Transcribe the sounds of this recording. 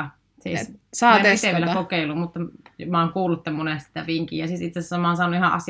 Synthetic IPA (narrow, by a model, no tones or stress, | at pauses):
sḭˑssɑit̪eʋielækokeˑilːummut̪ːɑjmɑːŋkuːlːut̪ːemːonesi̥t̪æʋiŋkḭːjjɑsisit̪sesæsːæmɑˑːnsɑːnˑuihɑʔɑ̰s